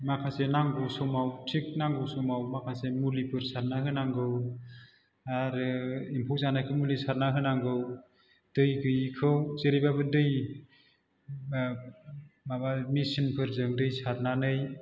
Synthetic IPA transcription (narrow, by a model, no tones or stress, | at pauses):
makʰasenaŋɡɯwsɔmawtʰik̚naŋɡɯwsɔmawmakʰasemulipʰɯɾsaɾnaɦɯnaŋɡɯw | aɾɯimpʰuwzanajkʰɯmulisaɾnaɦɯnaŋɡɯw | d̥ɯjɡɯjkʰɯwzeɾibabɯdɯj | mabamisinpʰɯɾzɯŋdɯjsaɾnanɯj